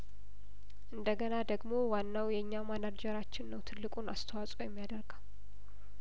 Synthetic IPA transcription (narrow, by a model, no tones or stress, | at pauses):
ʔɨnd̪əɡənad̪əɡmo̞wanːawjɛɨɲːamanad͡ʒɛɾat͡ʃːɪnːəwt̪ʰɨlːɨkʼunast̪ʰəwasʼowjɛmːijad̪əɾɡaw